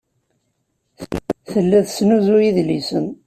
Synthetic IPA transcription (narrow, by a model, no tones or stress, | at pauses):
θəlːæðsnuzujiðlisən